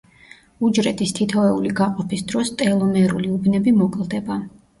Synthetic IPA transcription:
ud͡ʒɾɛt̪ʰʼist̪ʰit̪ʰɔvɛuliɡaqʼɔpʰisd̪ɾɔst̪ʼɛlˠɔmɛɾuliubnɛbimɔkʼlˠd̪ɛba

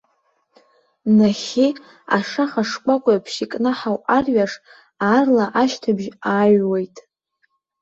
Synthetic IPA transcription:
naχʲi | a̰ʂaχaʂkʷʼakʷʼpʰʃikʼnɨħawʔarɥaʂ | aːrlaʔaʃtʰabʒaːɥwejtʼ

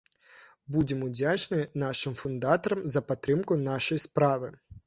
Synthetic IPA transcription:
budʲɪmʊdʲat͡ʃnɪnɑʃɪmfʊnd̪ɑt̪ɔɾɐmzɐpɐt̪ɾɪmkʊnɑʃɔjispɾɑʋɪ

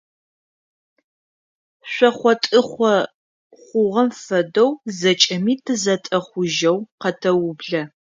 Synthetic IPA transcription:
ɕʷɔχʷɔtʼɨχʷɔ | χʷʊʁɐmfɐdowzɐt͡ʃʼɐmiːtʰɨzɐtʼɐχʷʊʒɐwqɐtʰɐwʊbɮɐ

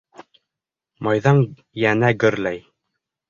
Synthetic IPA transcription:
mɑjðɑŋ | jænæɡɵ̆ɾlæj

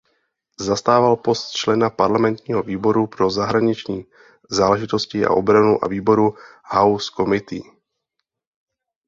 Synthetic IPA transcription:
zast̪aːvalpo̞st̪t͡ʃlɛnapaɾlamɛnt̪ɲiːɦoviːbo̞ɾupɾo̞zaɦɾaɲɪt͡ʃɲiː | zaːlɛʒɪt̪o̞scɪʔa̰ʔobɾanuʔa̰viːbo̞ɾuhawsko̞mɪt̪ḭː

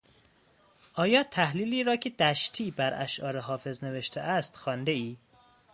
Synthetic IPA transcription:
ʔɒːjɒːt̪ʰæhliːliːɾɒːcʰe̞d̪̥æʃt̪ʰiːbæɾʔæ̰ʃʔɒ̰ːɾeɦɒːfe̞zne̞veʃt̪ʰeʔæst̪xɒːnd̪eiː

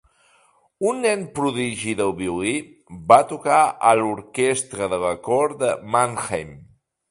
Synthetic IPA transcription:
unːɛnpɾuðiʒiðəlˠβiulibat̪ukaʔəluɾkest̪ɾəðələkɔɾd̪əmanxejm

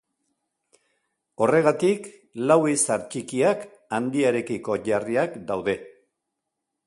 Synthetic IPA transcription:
o̞re̞ɣ̞at̪ik | lawisaɾt͡ʃikiak | and̪iaɾe̞kiko̞ʝariakd̪awðe̞

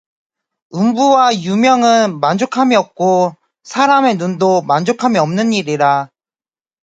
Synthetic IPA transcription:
ɯmbuwajumjʌŋɯnmand͡ʑokʰamiʌp̚k͈o | sʰaɾame̞nundomand͡ʑokʰamiʌmnɯniɾiɾa

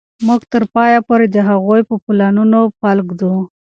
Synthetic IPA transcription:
muɡt̪əɾpɑjapoɾed̪əɦaɣojpəplɑnunopalɡd̪u

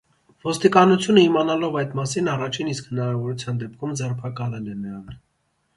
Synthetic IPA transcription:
vɔst̪ikɑnut͡sʰjunəimɑnɑlɔvɑjd̪mɑsinɑrɑt͡ʃʰiniskhənɑɾɑvɔɾut͡sʰjɑnd̪ɛp̚kʰumd͡zɛrpʰɑkɑlɛlɛməɾɑn

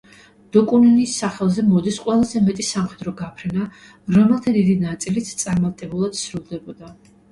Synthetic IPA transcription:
d̪̥ɔkʼuninisːaχɛlˠzɛmɔd̪isqʼwɛlˠazɛmɛt̪ʼisamχɛd̪ɾɔɡapʰɾɛna | ɾɔmɛlˠt̪ʰad̪id̪inat̪sʼilit̪ʰt̪sʼaɾmat̪ʼɛbulˠad̪̥sɾulˠd̪ɛbɔd̪a

